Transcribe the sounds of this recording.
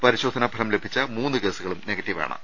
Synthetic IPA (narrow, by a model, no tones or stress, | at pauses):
pɐɾiɕo̞ːd̪ʱɐnɐbʱɐɾɐmle̞bʱit͡ɕːɐmuːnːɨke̞ːsuɣɐɭumne̞ɡɐtːiʋa̰ːɳɐ̰